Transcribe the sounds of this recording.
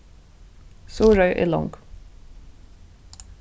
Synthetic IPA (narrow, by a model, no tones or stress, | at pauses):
suːɹœʏʔḛːlɔ̰ŋɡ̥